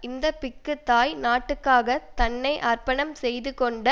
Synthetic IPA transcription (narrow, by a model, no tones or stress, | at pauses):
ɪnd̪ɐpɪkːɯt̪ːaːjnaːʈːɯkːaːɣɐt̪ɐnːɐɪʔɐrpɐɳɐmsɛjðɯkɔɳɖɐ